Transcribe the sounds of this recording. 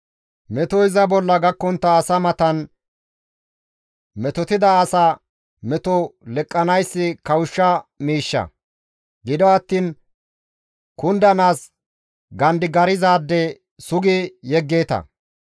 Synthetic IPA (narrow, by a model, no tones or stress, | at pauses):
mɛt̪ɔɪzɐbɔlːɐɡɐkːɔnt̪ːɐːsɐmɐt̪ɐn | mɛt̪ɔt̪ɪd̪ɐːsa | mɛt̪ɔlɛkʼːɐnɐjsːɪkɐwʊʃːɐmiːʃːɐ̰ | ɡɪd̪ɔɐt̪ːiːn | kʊnd̪ɐnaːs | ɡɐnd̪ɪɡɐɾɪzaːd̪ːɛ | sʊɡɪjɛɡːeːt̪ɐ̰